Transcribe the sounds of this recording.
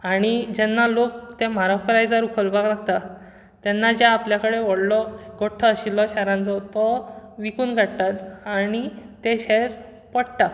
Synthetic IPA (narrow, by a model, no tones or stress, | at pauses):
aɽ̃id͡ʑɛnːalokt̪em̤aɾakɾajd͡zaɾukʰəlbʱaɡlaɡt̪a | t̪ɛnːad͡ʑjaːpljakəɽeʋəɽlɔɡoʈʰːɔːɕilːɔɕɛɾãnt͡sɔt̪ɔʋikuːnɡʱaɽt̪at̪aɽ̃it̪eɕɛɾ | pəɽt̪a